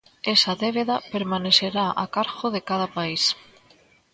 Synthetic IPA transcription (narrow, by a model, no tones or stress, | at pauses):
esaðeβ̞eðapeɾmaneθeɾaʔa̰kaɾɣoðekað̞apais